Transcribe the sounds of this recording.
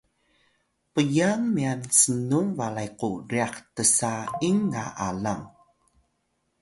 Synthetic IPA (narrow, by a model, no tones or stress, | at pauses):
pəjaŋmiansənumvalajquriaχtəsaiŋːa̰ʔa̰laŋ